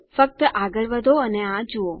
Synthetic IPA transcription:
fək̚t̪əʔaɡəɭʋəd̪ʱoəneãd͡ʒuo

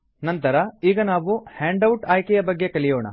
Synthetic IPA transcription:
nɐnt̪ɐɾɐiːɡɐnaːʋuhaːɳɖɐwʈaːjkejɐbɐɡːe̞kɐɭijoːɳɐ̰

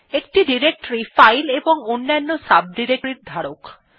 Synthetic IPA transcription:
ek̚ʈiɖiɾek̚ʈoɾifajleboŋonːanːosab̚ɖiɾek̚ɾiɾd̪ʱaɽok

